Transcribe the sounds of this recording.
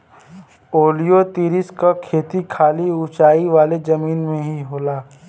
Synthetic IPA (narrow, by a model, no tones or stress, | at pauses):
oːlijot̪iːɾɪskakʰeːt̪ikʰaːliʊt͡ʃaːiʋaːlezɐmiːnmẽɦiɦoːlaː